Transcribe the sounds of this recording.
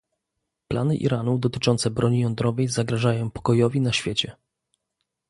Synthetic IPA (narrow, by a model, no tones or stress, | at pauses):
plʔa̰nɘʔḭɾanud̪ɔt̪ɘ̥t͡ʂɔnt̪sɛbɾɔɲijɔnd̪ɾɔvɛjzaɡɾaʐajɔ̃w̃pɔ̥kɔjɔvʲinaɕfʲjet͡ɕɛ